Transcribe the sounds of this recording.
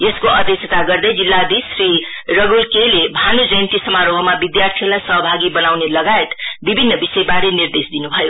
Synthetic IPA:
jeskoʌd̪esʰet̪aɡʌrd̪ʌjd͡zilːad̪isɾi | rʌɡulkelebʱanud͡zʌjnt̪isʌmaɾobʱʌmabid̪jart̪ʰijəlajsʌɦʌbʱaɡibʌnawnelʌɡajet̪bibʱinːʌbisʌebaɾenird̪esd̪inubʱʌjo

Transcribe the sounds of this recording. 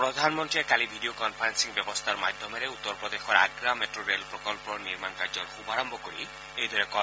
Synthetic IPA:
pɾɔd̪ʱanmɔnt̪ɾiekalibʱiɖiokɔnpʰaɾensiŋbjɔbɔst̪ʰaɾmad̪ʱjɔmeɾeut̪ːɔɾɔpɾɔd̪exɔɾa̰ɡɾameʈɾoɾelpɾɔkɔlpɔniɾmankaɾd͡ʒɔɾxubaɾɔmbʱɔkoɾi | eɦid̪ʱɔɾekɔ

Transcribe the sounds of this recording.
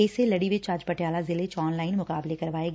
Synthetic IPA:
eselɐɽiʋɪt͡ʃad͡ʒpəʈjaːlazɪlet͡ʃɔːnlaːɪnmʊkaːblekɐɾʋaːeːɡ

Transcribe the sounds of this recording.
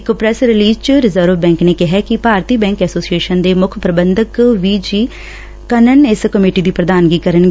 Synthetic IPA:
ɪkpɾɛsɾɪliːd͡ʒt͡ʃɾɪzəɾʋbɛ̃ːŋkneːkɪɦɛkɪpaːɾt̪iːbɛ̃ːŋkɛːsoːsieːʃənd̪eːmʊkʰpɾəbənd̪əkʋiːd͡ʒiː | kənənɪskəmeːʈiːd̪iːpɾəd̪aːnɡiːkəɾənɡ

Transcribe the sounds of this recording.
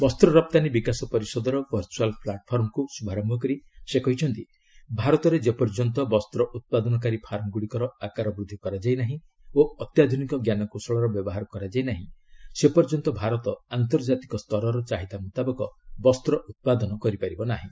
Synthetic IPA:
bɔst̪ɾɔɾɔp̚t̪anibikasɔpɔɾisɔd̪ɔɾɔbɔɾt͡ʃualpʰlaʈpʰɔɾmkusubʱaɾɔmbʱɔkɔɾisekɔɦit͡ʃʰɔnt̪i | bʱaɾɔt̪ɔɾed͡ʒepɔɾd͡ʒɔnt̪ɔbɔst̪ɾɔʔut̪̚pad̪ɔnɔk̬aɾipʰaɾɔŋɡuɽikɔɾɔakaɾɔbɾud̪ʱːikɔɾad͡ʒajnaɦĩ | oɔt̪jad̪ʱunikɔɡjanɔkosɔɭɔɾɔbjɔbɔɦaɾɔkɔɾad͡ʒajnaɦĩsepɔɾd͡ʒɔnt̪ɔbʱaɾɔt̪ɔant̪ɔɾd͡ʒat̪i̥kɔst̪ʰɔɾɔɾɔt͡ʃaɦid̪amut̪abɔkɔbɔst̪ɾɔʔut̪̚pad̪ɔnɔkɔɾipaɾibɔnaɦĩ

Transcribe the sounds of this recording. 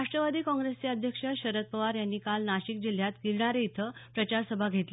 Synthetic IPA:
aʂʈɾəʋad̪iːkɔ̃ŋɡɾest͡ɕeəd̪ʱjəkʂəɕəɾət̪̚pəʋaɾjanːiːkalnaɕik̚d͡ʑil̤jat̪ɡiɾɳaɾeit̪ʰəpɾət͡ɕaɾsəbʱaɡʱet̪le

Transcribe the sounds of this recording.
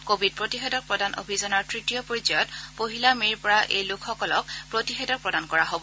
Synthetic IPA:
kobʱid̚pɹotixedɔk̚pɹɔdanʔo̰bʱizɔnaɹtɹitijɔpoɹizɔjɔtpoɦilamiɹpɔɹaʔḛjlukʰxɔkɔlɔk̚pɹotixedɔk̚pɹɔdankɔɹaɦobɔ

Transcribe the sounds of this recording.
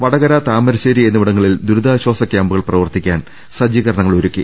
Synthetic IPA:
ʋɐɽɐɣɐɾaːt̪aːmɐɾɐɕeːɾienːuʋiɽɐŋːɐɭild̪uɾud̪aːɕwaːsɐkʲːjaːmbuɣɐɭprɐʋɐrt̪ikʲːaːn | sɐd͡ʑjiːɣɐɾɐɳɐŋːɐɭoɾukːi

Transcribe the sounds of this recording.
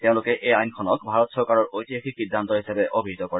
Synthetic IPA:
t̪eʊ̃lʊkɛʔejajnkʰɔnɔk̚bʱaɹɔt̪sɔɹkaɹɔɹʔojtiaxiksidʱːant̪ɔɦisabɛʔobʱiɦit̪ɔkɔɹɛ

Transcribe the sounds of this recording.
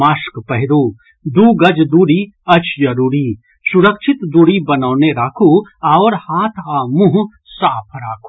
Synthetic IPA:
aːʃkpɐɦɪɾoː | d̪uːɡɐd͡ʒd̪uːɾi | ɐt͡ʃjɐɾuːɾi | sʊɾəkʃʰɪt̪d̪uːɾibɐnaːneɾaːkʰuaːɔːɾhaːt̪ʰamũɦ | saːpʰɾaːkʰo̥

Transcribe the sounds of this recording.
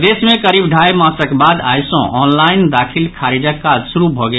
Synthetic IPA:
d̪esmekəɾibɖʱajmãsəkebad̪a̰jsɔ̰̃ʔɔnlaind̪akʰilkʰaɾid͡ʒəkːad͡ʒsuɾubʱɔɡe

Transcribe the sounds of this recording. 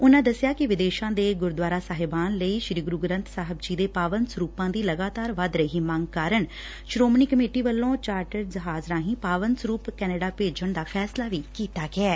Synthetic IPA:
ʊnãːd̪əsjaːkɪʋɪd̪eːʃãːd̪eːɡʊɾd̪ʋaːɾaːsaːɦɪbaːnləiːʃɾiːɡɾuːɡɾə̃nt̪saːɦəbd͡ʒiːd̪eːpaːʋənsəɾuːpãːd̪iːləɡaːt̪aːɾʋəd̪ɾəɦiːmãŋɡkaːɾəɳ | ʃɾoːmniːkəmeːʈiːʋəlːõːt͡ʃaːɾʈəɾd͡ʒəɦaːzɾãːɦĩːpaːʋənsɾuːpkɛːneːɖaːpeːd͡ʒəɳd̪aːpʰɛːslaːʋiːkiːt̪aːɡɪɛː

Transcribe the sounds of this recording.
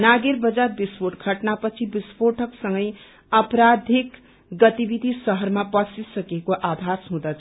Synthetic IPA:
naɡeɾbʌd͡zarbiswoʈɡʱʌʈnapʌt͡sʰibispoʈʰʌksʌŋɡʌj | ʌpɾad̪ʱik | ɡʌt̪ibid̪ʱisʌɦʌɾmapʌsisʌkekoʔabʱasɦũd̪at͡sʰ

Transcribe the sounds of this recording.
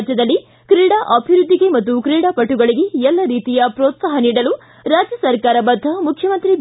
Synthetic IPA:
d͡ʒjɐd̪ɐlːi | kɾiːɽaʔɐbʱiɾud̪ʱːiɡe̞mɐt̪ːukɾiːɽapɐʈːuɡɐɭiɡe̞ɛlːɐɾiːt̪ijɐpɾoːt̪saɦɐniːɽɐlu | ɾaːd͡ʒjɐsɐɾkaːɾɐbɐd̪ʱːɐmukʰjɐmɐnt̪ɾi

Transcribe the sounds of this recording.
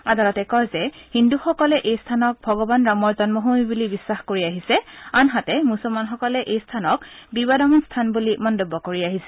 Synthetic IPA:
adalɔtɛkɔjzɛhinduxɔkɔlɛʔejstʰanɔk̚bʱɔɡɔbanɹamɔɹzɔnmɔɦumibulibisːaxkoɹiaɦisɛanɦatɛmusɔlmanxɔkɔlɛʔejstʰanɔk̚bibadamɔnstʰanbulimɔntobːɔkoɹiaɦisɛ̥

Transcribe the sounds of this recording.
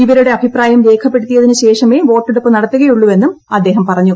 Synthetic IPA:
iʋɐɾuɽe̞ɐbʱipraːjɐmɾe̞ːkʰɐpːe̞ɽut̪ːijɐðinɨɕe̞ːʂɐme̞ːʋo̞ːʈːeɽupːɨnɐɽɐt̪ːuɣɐjuɭːuʋe̞nːumɐd̪ːe̞ːɦɐmpɐrɐɲːu

